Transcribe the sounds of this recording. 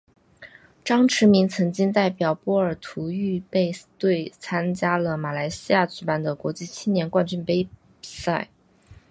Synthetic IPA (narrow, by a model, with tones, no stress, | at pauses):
ʈ͡ʂɑ˥ŋʈ͡ʂʰɻ̩˧˥mi˧˥ŋt͡sʰɤ˧˥ŋt͡ɕi˥ŋt̪a˥˩ɪpjɑ˨˩ʊpwɔ˥ə˞˨˩t̪ʰu˧˥y˥˧pe˥˧ɪt̪we˥˩ɪt͡sʰa˥nt͡ɕja˥lə˨ma˨˩la˧˥ɪɕi˥ja˥˩t͡ɕy˧˥pa˥˩nd̪ə˩kwɔ˧˥t͡ɕi˥˩t͡ɕʰi˥nnjɛ˧˥nkwa˥˧nt͡ɕy˥˩npe˥ɪ | i̥˨˩sa˥˩ɪ